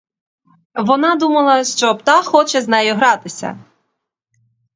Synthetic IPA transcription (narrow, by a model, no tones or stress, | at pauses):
ʋɔnɑd̪umɐlˠɐʃt͡ʃɔpt̪ɑxɔt͡ʃɛznɛjɔɦɾɑt̪ɪsʲɐ̰